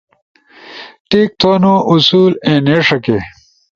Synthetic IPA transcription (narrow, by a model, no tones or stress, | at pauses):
ʈeːk̚t̪ʰoːnoʔusuːlẽːneːʂɐke